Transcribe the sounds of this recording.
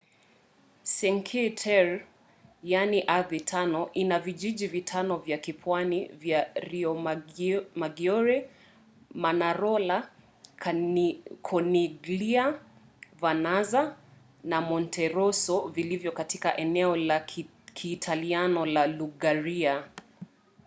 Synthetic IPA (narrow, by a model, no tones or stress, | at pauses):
sɛŋkʰitʰɛɹ | janiʔaðitʰanɔʔinaviʄiʄivitʰanɔvjakipwanivjaɾiɔ | maɡiɔɾɛ | manaɾɔla | kʰɔniɡlia | vanaza | namɔntʰɛɾɔsɔvilivjɔkatikaʔɛnɛɔla | kʰiːtʰalianɔlaluɡaɾia